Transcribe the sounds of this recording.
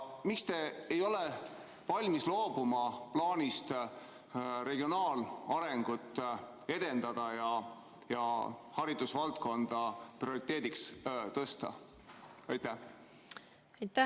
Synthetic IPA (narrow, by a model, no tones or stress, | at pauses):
mikst̪e̞ejo̞le | vɑlʲmislo̞ːb̥umɑplɑːnʲist̪ | ɾe̞ɡ̥io̞nɑːlɑɾe̞ŋɡ̥ut̪ːˑ | e̞d̪̥e̞nd̪̥ɑd̪̥ɑjɑ | jɑhɑɾid̪̥usvɑlt̪̚ko̞nd̪̥ɑprio̞ɾit̪ːˑe̞ːd̪̥ikst̪ɤst̪ɑ̰ | ɑjt̪ːˑæ | t̪